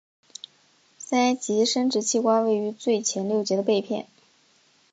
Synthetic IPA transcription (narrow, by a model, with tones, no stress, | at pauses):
sa˥ɪt͡ɕi˧˥ʂə˥nʈ͡ʂɻ̩˧˥t͡ɕʰi˥˧kwa˥we˥˩ɪy˧˥t͡swe˥˩ɪt͡ɕʰjɛ˧˥nljo˥˩ʊt͡ɕjɛ˧˥d̪ə˧pe˥˧ɪpʰjɛ̰˥˩n